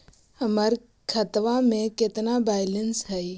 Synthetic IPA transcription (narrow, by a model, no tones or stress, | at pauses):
həməɾ | kʰət̪ʋamẽkɪt̪nabaːɪlənsɦɛi